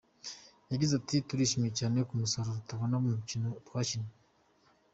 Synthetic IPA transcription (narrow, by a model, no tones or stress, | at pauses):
jaɟizatituɾiːʃimijecaːnekumusaɾoɾutaβonaβumucinotwacine